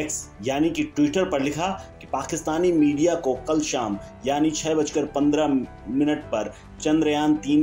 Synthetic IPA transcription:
ɛːksjaːnikiʈwiʈəɾpɐɾlɪkʰaki̥paːkɪst̪aːnimiːɖijakokɐlʃaːm | jaːnit͡ʃʰɛːbɐt͡ʃkəɾpɐ̃nd̪ɾa | mɪnəʈpɐɾ | t͡ʃɐ̃nd̪ɾəjaːnt̪iːn

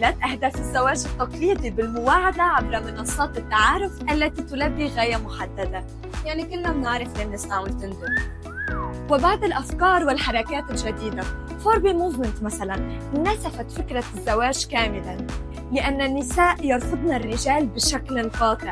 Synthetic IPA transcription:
lat̪ʔahd̪aːfɪzːawaːʒɪt̪ːɑq̪liːd̪ˤibɪlmʊwaːʕad̪aʕabɾamɪnɑsˤːɑːt̪ɪt̪ːaʕaːɾʊfʔalːat̪it̪ʊlabːiɣaːjamʊħad̪ːad̪a | jaʕnikɪlːnabnaʕɾˤɪflʔanːasaʕwnt̪ɪnd̪ʊ | wɪbaʕd̪ɪlʔafkɑːɾˤwɪlħɑɾˤɑkaːt̪ɪlʒad̪iːd̪a | foːɾbimuːzmɪnt̪masalannasafat̪fɪkɾˤazːawaːʒkaːmɪla | lɪʔanːanːɪsaːʔjɑɾˤsˤɨd̪nɑrːɪʒaːlbɪʃaklfɑːd̪ˤɨʕ

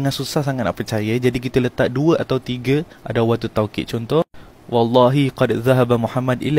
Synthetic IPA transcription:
ŋansusahsaŋat̪̚na̰ʔpərt͡ʃajəd͡ʒadik̬it̪ələt̪aʔ̚duəʔat̪awt̪iɡə | ʔa̰dawwat̪ːut̪awkɪ̰ʔ̪̚t͡ʃɔnt̪ɔh | wɑlːɑɦiqɑdðaɦabamuħamːadḭla

